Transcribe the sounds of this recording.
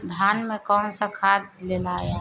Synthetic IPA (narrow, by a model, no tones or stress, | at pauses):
d̪ʱaːnmẽkɔːnsəkʰaːd̪̚lelae